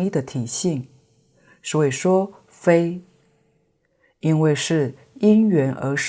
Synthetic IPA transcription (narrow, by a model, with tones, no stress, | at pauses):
i˥˩d̪ə˨t̪ʰi˨˩ɕi˥˩ŋ | ʂɻ̩˥˧˩we˥˩ɪʂwɔ˥ | fe˥ɪ | i˥nwe˥˧ɪʂɻ̩˥˩ | i˥nɥɛ˧˥nʔə˧˥ʂ